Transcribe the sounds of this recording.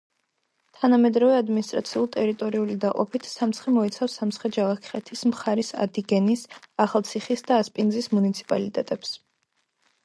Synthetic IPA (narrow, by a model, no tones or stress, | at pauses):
t̪ʰanamɛd̪ɾavɛad̪minist̪ʼɾa̰t̪sʰiulˠt̪ʼɛɾit̪ʼɔɾiulid̪aqʼɔ̰pʰit̪ʰsamt̪sʰχɛmɔit̪sʰafsamt̪sχɛd͡ʒalˠakʰχɛt̪ʰismχaɾisa̰d̪iɡɛnisaχalˠt̪sʰiχisd̪aːspʼinzismunit̪sʰi̥pʼalit̪ʼɛt̪ʼɛps